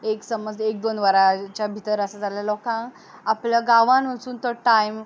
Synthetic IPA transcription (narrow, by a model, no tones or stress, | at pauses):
eksəməd͡zek̚d̪onʋəɾat͡ɕjabʱit̪əɾəsad͡zaljalɔkã | apljaɡaʋãnʋəsuːnt̪ɔʈajm